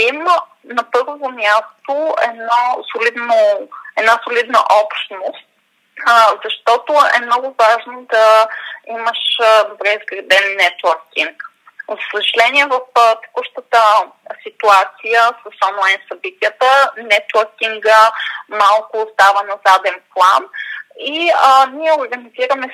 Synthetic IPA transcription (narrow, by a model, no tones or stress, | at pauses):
imə | nɐpɤɾvovomʲjast̪oɛ̰d̪nɔsolid̪noɛd̪nasolid̪nəʔɔpʃt̪nost̪ | zɐʃt̪ɔt̪oɛ̰mnɔɡʊvaʒnod̪ɐiməʃd̪obɾɛizɡɾɛd̪ɛnːɛt̪wəɾkiŋk | zɐsəʒɐlɛniɛvɐft̪ɛ̥kuʃt̪ət̪əsit̪uat̪sijəsəsɔnlˠajnsɐbit̪ʲijət̪ənɛt̪wəɾkiŋɡəmalˠkʊːst̪avənɐzad̪ɛnplˠaniəniɛʊɾɡəniziɾəmɛ